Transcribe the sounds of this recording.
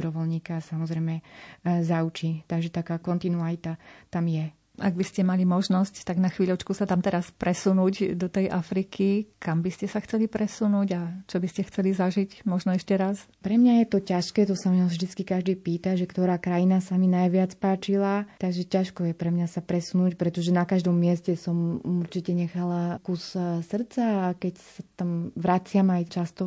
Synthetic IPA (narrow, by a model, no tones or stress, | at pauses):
bɾɔʋɔlɲiːkasamɔzɾɛjmɛzaut͡ʃit̪aɡʒɛt̪akaːkɔnt̪inualit̪at̪amjɛ | ʔa̰ɡbiscɛmalimɔʒnɔsct̪aɡnaxʋiːʎɔt͡ʃkusat̪amt̪ɛɾaspɾɛsunuːɟd̪ɔt̪ɛjʔafɾikʰikambiscɛsaxt͡sɛlipɾɛsunuːɟat͡ʃɔbiscɛxt͡sɛlizaʒicmɔʒnɔɛʃcɛɾas | pɾɛmɲajɛt̪ɔcaʃkɛːt̪ɔsamavʒd̪it͡skikaʒd̪iːpiːt̪aʒɛkt̪ɔɾaːkɾajinasaminajʋɪat͡spaːt͡ʃilat̪aɡʒɛcaʃkɔjɛpɾɛmɲasapɾɛsunuːcpɾɛt̪ɔʒɛnakaʒd̪ɔmːɪɛscɛsɔmuɾt͡ʃicɛɲɛxalakussr̩t͡sakɛcsat̪amʋɾat͡sɪamajt͡ʃast̪ɔ